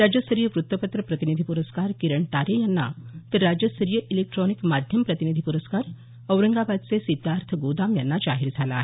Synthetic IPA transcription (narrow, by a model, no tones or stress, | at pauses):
ɾad͡ʑjəst̪əɾijəʋɾut̪wəpət̪ɾəpɾət̪inid̪ʱipuɾəskaɾkiɾəɳʈaɾejanːa̰t̪əɾːad͡ʑjəst̪əɾijəʔilek̚ʈɾɔnikmad̪ʱjəmpɾət̪inid̪ʱipuɾəskaɾ | əwɾəŋɡabad̪̚t͡sesid̪aɾt̪ʰəɡod̪amjanːad͡ʑaɦiɾd͡zʱala̰ːɦe